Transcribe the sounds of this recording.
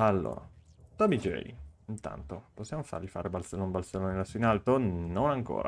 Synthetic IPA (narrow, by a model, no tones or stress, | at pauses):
alːo̰ːɾa | t̪ɔbid͡ʒɛ̰ḭint̪a̰nt̪oposːjamofa̰ɾʎifaːɾʔebalselːoumbalselːonelasoinalt̪ononaŋko̰ːɾa̰